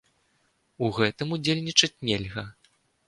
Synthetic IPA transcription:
uɣɛt̪ɨmud͡zʲelʲnʲit͡ʂɐt͡sʲnʲelʲɣɐ

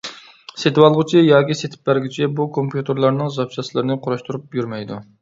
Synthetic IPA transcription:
set̪wɑlˠʁʊt͡ʃʰijɑːkʲiset̪ʰɪ̥p̚bæɾɡʲyt͡ʃʰɛbukʰompjut̪ʰeɾlˠɑɾnɨŋzɑpʃɑslˠɨɾɨnɨqʰʊɾɑʃt̪uɾup̚jyɾmɛjd̪u

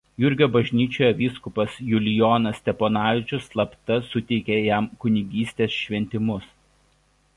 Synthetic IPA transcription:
jʊɾʲɡʲoːbɐʒʲnʲiːt͡ʃʲoːjɛʋʲiːskʊpɐsjʊlʲɪjoːnɐsʲt̪ʲɛpoːnɑːʋʲɪt͡ʃʲʊslˠɐpt̪ɐsʊt̪ʲɛɪkʲejɛmkʊnʲɪɡʲiːsʲt̪ʲeːsʃʲʋʲɛnʲt̪ʲɪmʊs

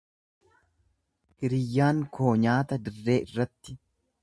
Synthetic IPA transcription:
ʔɪɾɪjːaːŋkʰo̞ːɲaːt̪ɐd̪ɪrːe̞ːʔɪrːɐt̪ːɪ

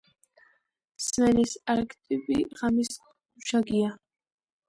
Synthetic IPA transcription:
smɛnisaɾkʰʼt̪ʼipʼiʁamis | uʃaɡia

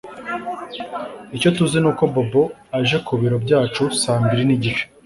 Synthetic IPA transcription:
ico̞tuzinuːko̞bobo̞aʒe̞kuβiɾo̞bɟaːt͡ʃusaːmbiɾiniɟit͡ʃe̥

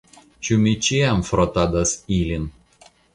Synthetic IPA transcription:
t͡ʃʲumʲit͡ʃʲiɛmfɾɔt̪ad̪ɐsiːlʲɪn

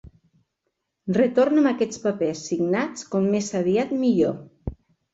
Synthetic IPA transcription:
rət̪oɾnəməkɛt͡spəpɛsːiɡnat͡skɔmːesəβiat̪miʎo

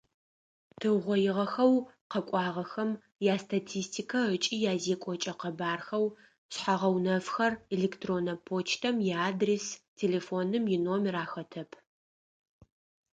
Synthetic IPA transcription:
tʰɨʁʷɔjɪʁɐxɐwqɐkʷʼɑːʁɐxɐm | jaːstʰatʰiːstʰikʰɐət͡ʃʼiːjaːzeːkʷʼɔt͡ʃʼɐqɐbaːrxɐw | sħaʁɐwnɐfxɐreleːktʰroːnɐpʰoːt͡ʃʰtʰɐmjɛaːdrestʰeːleːfoːnɨmjɪnomɪɾaːxɐtʰɐpʰ

